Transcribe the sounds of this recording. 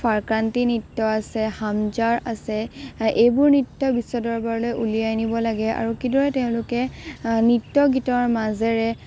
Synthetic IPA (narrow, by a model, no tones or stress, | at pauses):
fʰaɹkɹantinɹitːɔasɛhamzaɹasɛʔejbʊɹnitːɔbisɔdɔɹbaɹlojʔulijajnibɔlaɡɛa̰ɹukidɔɹɛtɛʊ̃lʊkɛnitːɔɡitɔɹmazɛɹɛ